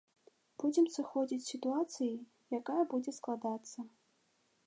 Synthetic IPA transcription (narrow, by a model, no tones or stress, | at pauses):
b̥ud͡zʲɛmsɨxɔd͡zʲit͡sʲsʲit̪uat̪sɨji | jakajɐbud͡zʲɛsklˠad̪at̪sːɐ